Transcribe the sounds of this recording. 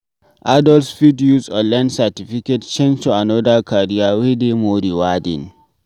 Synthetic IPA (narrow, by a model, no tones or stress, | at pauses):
ʔadɔlsfitjusɔlɛnsatiɸikɛtt͡ʃẽnd͡ʒtuanɔdakʰaɾijawedemoɾiwadɪ̰n